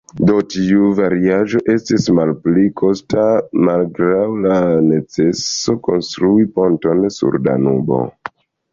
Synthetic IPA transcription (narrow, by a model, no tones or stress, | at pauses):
dotiuvaɾiaʒo̞ʔe̞stismalplikʰo̞stamalɡɾawlane̞t͡se̞so̞ko̞nstɾuipo̞nto̞nsṵɾda̰nubo̞̰